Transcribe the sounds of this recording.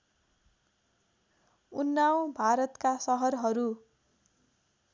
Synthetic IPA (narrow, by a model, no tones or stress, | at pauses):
unːaw̃bʱaɾʌt̪kasʌɦʌrɦʌɾu